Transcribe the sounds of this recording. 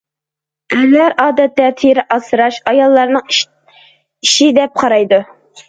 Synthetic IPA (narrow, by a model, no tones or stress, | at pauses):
ɛlːæɾʔɑːd̪ɛt̪ːɛt̪ʰeɾɪʔɑsɨɾɑʃɑjɑlˠːɑɾnɨŋ | iʃid̪ɛp̚qʰɑɾɑjd̪u